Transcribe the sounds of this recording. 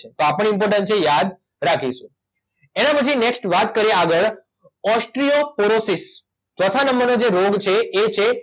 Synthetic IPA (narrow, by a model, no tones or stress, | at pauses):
et̪oapəɳ̃impɔɾʈ̬ənʈ̚t͡ʃʰejad̪ | ɾakʰiʃṵ̃ | enãpət͡ʃʰineksʈʋat̪kəɾeaɡəɭ | ɔsʈɾiopoɾosis | t͡ʃɔt̪ʰanəmbənod͡ʒeɾoɡt͡ʃʰeet͡ʃʰe